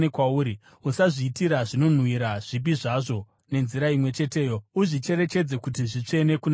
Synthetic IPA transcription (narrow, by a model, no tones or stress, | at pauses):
nekwauːɾi | usaʐiːtiɾaʐino̞n̤wiɾaʐ̥ip̬iʐaʐo̞ | ne̞nziɾaimwe̞t͡ʃe̞te̞ːjo̞uʐit͡ʃe̞ɾe̞t͡ʃe̞d͡ze̞kutiʐit͡ʂe̞ne̞kun